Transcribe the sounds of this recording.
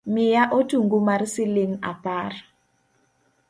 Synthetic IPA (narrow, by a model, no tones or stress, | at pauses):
mɪjaʔotuŋɡumarsɪlɪŋa̰par